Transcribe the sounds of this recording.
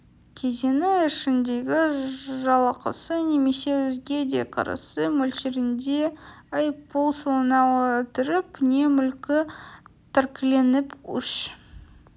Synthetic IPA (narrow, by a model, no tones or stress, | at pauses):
t̪ʰet̪enɪɪʃɪnd̪e̞ɡʲɪʒɑlˠɑqəsəne̞me̞se̞wɵzɡʲe̞d̪ḛqʰɑ̰ɾɑ̰səmɵlʃeɾɪnd̪e̞ | ɑjpʰolˠsəlˠənɑwt̪ʰʏɾɪpne̞mʏlkʲɪ | t̪ʰæɾkʲɪle̞nɪpʏ̰ʃ